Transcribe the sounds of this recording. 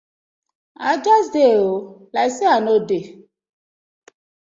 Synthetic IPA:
ad͡ʒasdeolajseanode

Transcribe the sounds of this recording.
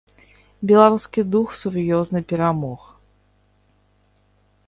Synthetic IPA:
bʲɛlˠaɾuskʲid̪uxsuɾjɔznɨpʲɛɾamɔx

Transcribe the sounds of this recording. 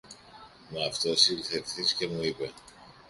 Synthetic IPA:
meɐft̪o̞silθefθisce̞muipe̞

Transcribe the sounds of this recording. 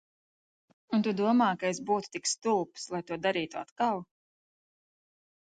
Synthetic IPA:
unt̪ud̪uɔmaːkaesbuːt̪u̥t̪ikst̪ulˠpslˠajt̪uɔd̪aɾiːt̪ua̰t̪kaw

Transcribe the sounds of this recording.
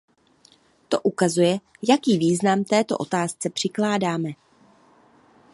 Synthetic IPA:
t̪o̞ʔukazujɛ | jakiːviːznamt̪ɛːt̪o̞ʔot̪aːst͡sɛpr̥ɪklaːdaːmɛ

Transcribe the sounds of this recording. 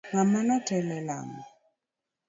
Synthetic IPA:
ŋamanɔtɛlɛla̰ŋɔ

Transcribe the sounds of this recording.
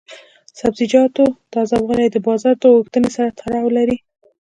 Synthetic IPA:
sabzɪd͡ʒɑt̪od̪̥əazɑbɣaned̪əbɑzɑɾd̪əwoxt̪ənesaɾat̪ʰaɾɑwlaɾi

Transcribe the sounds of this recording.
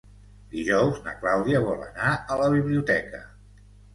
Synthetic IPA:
d̪iʒɔwznə̰klawðiəβɔlə̰naələβiβliut̪ɛkə

